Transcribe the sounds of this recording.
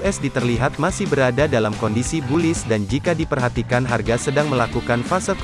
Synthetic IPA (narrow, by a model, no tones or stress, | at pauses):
ɛsdit̪ərliɦat̪̚masɪhbəɾadadalamkɔndisibulɪsdand͡ʒikadipərɦat̪ikanɦarɡasədaŋməlakukanfasak